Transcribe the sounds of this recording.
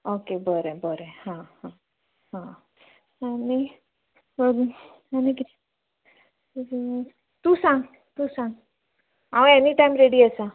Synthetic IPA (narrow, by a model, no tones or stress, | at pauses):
okebəɾebəɾehãhã | ɦã | ani | aniki | t̪ũsãŋɡ | t̪usãŋɡ | aw̃ɛniʈajmɾeɽiəsã